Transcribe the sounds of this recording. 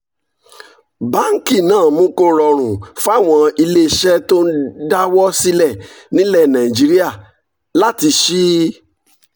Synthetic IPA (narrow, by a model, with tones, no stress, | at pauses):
ba˦ŋ̩˦ki˦˨nãː˦˨mũ˦ko˦ɾɔ˧ɾ̃ũ˨fa˦˨w̃ɔ̃˧i˧le˦ʃɛ˦to˦n̩˦da˦wɔ˦si˦lɛ˦˨ | nĩ˨˦lɛ˦˨nã˨i˨d͡ʒi˦ɾi˦a˦˨ | la˦ti˧ʃi˦